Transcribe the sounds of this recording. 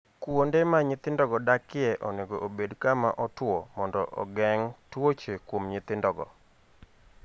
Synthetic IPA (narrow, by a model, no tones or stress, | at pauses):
kwondemaɲɪt̪ɪndɔɡɔdakɪɛʔɔneɡoʔobedkama̰ʔɔtwɔmɔndɔʔɔ̰ɡɛŋtwot͡ʃekwomɲɪt̪ɪndɔɡɔ̰